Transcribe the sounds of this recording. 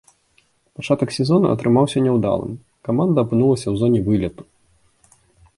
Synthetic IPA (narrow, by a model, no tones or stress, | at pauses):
pat͡ʂat̪ɐksʲɛzɔnṵɐ̰t̪ɾɨmawsʲɐnʲɛwd̪a̰lˠɨ̰m | kamand̪ɐːpɨnulˠɐsʲɐwzɔnʲɛvɨlʲɐt̪u̥